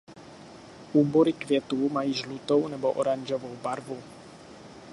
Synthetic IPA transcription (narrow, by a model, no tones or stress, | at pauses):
ʔuːboɾikvjɛt̪uːmajiːʒlut̪ownɛboʔo̰ɾaɲʒovowbaɾvu